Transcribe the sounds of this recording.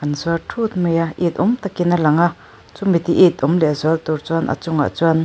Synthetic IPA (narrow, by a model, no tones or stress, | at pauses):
anzuatʰut̪̚məjaʔit̪̚ʔumt̪akinalaŋa | t͡sumit̪iʔit̪̚umlɛzɔlt̪uɾt͡swɔnʔa̰t͡sʊŋa̰ʔt͡sɔn